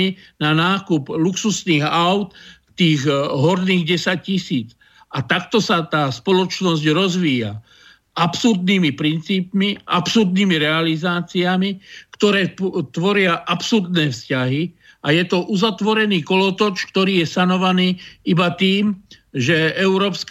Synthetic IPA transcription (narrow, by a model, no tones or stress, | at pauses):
inanaːkupluksusniːɣaʊt̪ | t̪iːɣɦɔɾniːɣɟɛsac̚cisiːt͡s | at̪akt̪ɔsat̪aːspɔlɔt͡ʃnɔzɟɾɔzʋiːja̰ | ʔapsuɾd̪niːmipɾint͡siːpmiʔa̰psuɾd̪niːmiɾɛalizaːt͡siamikt̪ɔɾɛːt̪ʋɔɾɪaʔapsuɾd̪nɛːfscaɦi | ajɛt̪ɔʔuzat̪ʋɔɾɛniːkɔlɔt̪ɔt͡ʃk̚t̪ɔɾiːjɛsanɔʋaniːibat̪iːmʒɛɛʊɾɔːpsk